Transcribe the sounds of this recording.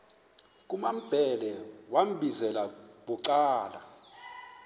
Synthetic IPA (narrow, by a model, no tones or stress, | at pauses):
kʼumam̩b̥ʱɛlɛwam̩bʱizɛlaɓuǀaːla̰